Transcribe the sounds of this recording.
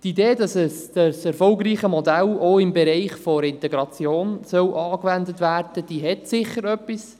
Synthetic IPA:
tideːdɑsɛsd̥ɑsɛɾfɔlɡɾiːχəmɔdæloɪmbɛɾɛɪχfɔɾɪnt̪ɛɡɾɑt͡sjoːnsœwʔɑːkʋændətʋæːrd̥əd̥iːɦɛtsɪχəɾœpːis

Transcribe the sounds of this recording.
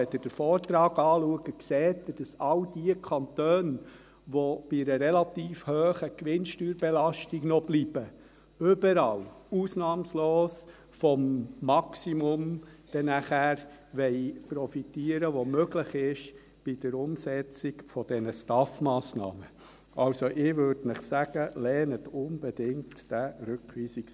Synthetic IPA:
ɛdəd̥əɾfɔːɾtɾɑːɡɑːluəɡəkseːtd̥ɑsɑld̥iəkʰɑntøːn | ʋob̥ɪɾəɾɛlɑt̪iːfhøːχəkʋɪnʃtyːɾbɛlɑʃtiɡnɔb̥liːb̥ə | øbəɾɑluːsnɑːmsloːs | fɔmːɑksimʊmd̥ɛnæχæɾ | ʋɛɪpɾɔfitiːəɾəʋomøɡləχɪʃ | b̥ɪd̥əɾʊmsɛt͡sikfɔd̥ɛnəstɑfmɑːsnɑ̰ːmə | ʔɑlsoʔɪʋøɾd̥nɪχsæɡ̥əlɛːnətʊnb̥ɛd̥ɪŋtːæɾʏkʋiːsiks

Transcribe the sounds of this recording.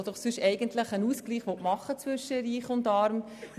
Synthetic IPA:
d̥̪ɔχsʏʃɛɪɡəntləχənuːskliːχʋɔtmɑχːət͡sʋʏʃːəɾiːχʊndɑːɾm

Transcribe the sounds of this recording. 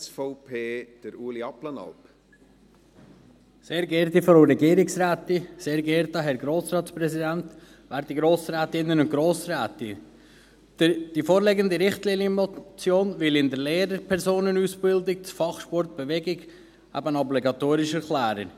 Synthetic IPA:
sfɔʊpʰeːd̥əɾuːliɑplənɑ̰lp | seːɾɡɛːɾt̪ifɔɾoɾɛɡiːɾɪksɾæːt̪ɪseːɾɡɛɾt̪ɑɦɛɾɡɾoːsɾɑːt̪spɾɛzid̪ænt̪ | ʋæːɾd̪iɡɾoːsɾæːt̪ɪnːənʊntɡ̥ɾoːsræːt̪ɪ̥ | d̥ifoːɾlɛɡənd̪iɾɪχt̪linəmɔt͡sjoːnvɪlɪnd̪əɾleːɾəɾpʰɛɾsoːnənusb̥ɪld̪ɪk̚t͡sfɑχʃpɔɾt̪̚b̥ɛʋɛɡɪɡ | æ̰bənɔbliɡɑt̪oːɾɪʃɛɾklæːɾə̰

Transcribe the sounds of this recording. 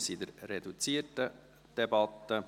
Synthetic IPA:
sid̪əɾrɛdut͡siːətə | d̥ɛbɑt̪ːə

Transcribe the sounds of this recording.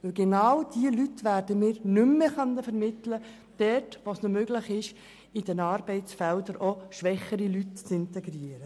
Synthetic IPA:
ʋɵlɡenɑwd̥iəlytʋæɾd̥əmɪːɾnʏmːəχœnəfəɾmɪtlə | d̥ɛtʋosnomøɡlɪχɪʃ | id̥ɛnɑːɾbɛɪtt͡sfɛldəɾʔoʃʋɛχəɾilytt͡sɪntɛɡɾiəɾə

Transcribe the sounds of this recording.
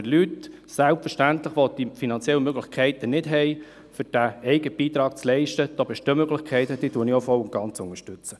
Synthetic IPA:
əlyt | sælpfəʃtæntlɪχʋod̥ifinɑnt͡sjɛləmøɡlɪxkʰχɛɪt̪ənɪdɦɛɪ | fʏɾd̥æɛɪɡəb̥iːt̪ɾɑːk̚t͡slɛɪʃtəd̪̥ɔːbɪʃdømøɡlɪχkʰχɛɪt̪əd̥iːtuənɪɔfɔwʊnt̚ɡ̥ɑnt͡sʊŋəʃtʏt͡sə

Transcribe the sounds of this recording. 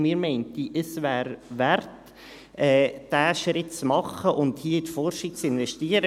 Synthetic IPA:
miːɾmɛɪntiʔəsvæːɾʋæɾt | ʔɛːd̥æːʃɾɪtt͡smɑχəʔʊnthiətfɔrʃik̚t͡sɪnvɛʃtiːəɾə

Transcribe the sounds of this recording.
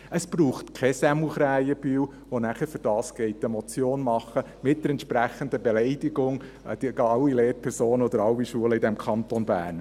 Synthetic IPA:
əsb̥ruːχtkʰɛsɛmuχɾæjəb̥yw | ʋonæχəɾfʏɾd̥ɑːsɡ̥ɛɪtːɛmɔt͡sjoːnmɑχːə | mɪt̚d̥əɾɛntʃpɾæχənd̪əbɛlɛɪdiɡʊŋ | d̥iɑwːileːɾpʰɛɾsoːnəɔd̪əɾɑwːiʃuələɪdɛmkʰɑnt̪ɔnbæ̰ːɾn

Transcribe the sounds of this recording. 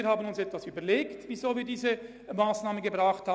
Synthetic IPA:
ɾhaːbənʊnsɛtvasyːbəleːktvizoːviːɐdiːzə | maːsnaːmənɡəbʁaːχthaː

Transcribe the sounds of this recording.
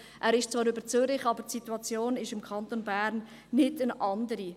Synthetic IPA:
ʔæːɾɪʃt͡svɑːɾybəɾt͡sʏɾɪχɑbətsituɑt͡sjoːnɪʃɪmkʰɑnt̪onbæːɾnː | ɪdənʔɑndəɾi

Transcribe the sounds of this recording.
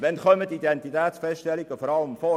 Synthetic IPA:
ʋɛnχœmətidɛntitɛːtsfɛstʃtɛlɪɡ̥əfɔɾɑləmfɔ

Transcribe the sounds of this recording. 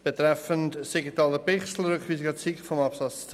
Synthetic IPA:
b̥etɾɛfəntsiɡitɑːləpɪχsl̩ɾʏkχʋiːsɪɡɐt͡sikfɔmɑpsɑt͡st͡s

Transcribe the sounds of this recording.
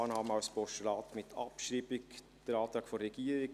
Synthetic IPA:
nɑːmawspɔʃəlɑːt̪mɪtʰɑ̰pʃɾiːbik | d̥əɾɑːt̪ɾɑːɡfoːɛɡ̥iːəɾik

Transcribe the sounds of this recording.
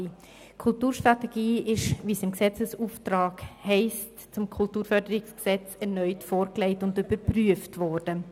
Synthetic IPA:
kʰʊltuːɾʃtʁatɛɡiːɪʃviːsɪmksɛt͡səsuːftraːkhɛɪstt͡sʊmkʰʊltuːɾfœɾdəɾɪksksɛt͡sɛʁnœʏtfoːɾkleɪtʊndybəɾpryəftvɔɾd̥ə

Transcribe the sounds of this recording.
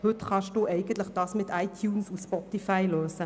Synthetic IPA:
hʏtχɑʃd̥uːʔɛɪɡən̩t̪ləχd̥ɑːsmɪt̪aɪt̪ʰjuːnsuspɔtifaɪløːsə

